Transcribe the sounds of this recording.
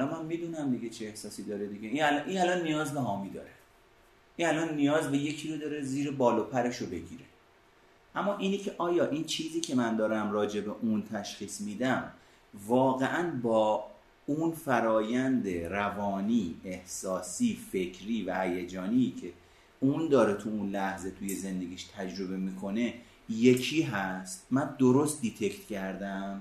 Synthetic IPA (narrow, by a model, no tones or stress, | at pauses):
ælɒnmænmiːd̪unæmd̪iɡet͡ʃʰeːhsɒːsid̪ɒːɾed̪iɡeinælʔinælɒnːijɒːzbeɦɒːmiːd̪ɒːɾe | ʔinælɒnːijɒːzbe̞je̞cʰiːɾod̪ɒːɾe̞ziːɾebɒːloːpʰæɾe̞ʃobe̞ɟḭːɾe̞ | ʔæmːɒːʔiːnicʰe̞ʔɒːjɒːʔiːnt͡ʃʰiːziːcʰe̞mænd̪ɒːɾæmrɒːd͡ʒe̞be̞ʔunt̪ʰæʃχiːsmiːd̪æm | vɒːɣe̞ʔænbɒː | unfæɾɒːjænd̪e̞ɾævɒːniːehsɒːsiːfe̞cʰɾiːvæhæjæd͡ʒɒːniːcʰe̞ | und̪ɒːɾe̞t̪ʰuunlæhze̞t̪ʰuje̞ze̞nd̪e̞ɡiːʃt̪ʰæd͡ʒɾo̞be̞miːkʰo̞ne̞ | je̞cʰiːɦæst̪mænd̪oɾost̪̚d̪it̪ʰe̞cʰt̪cʰæɾd̪æm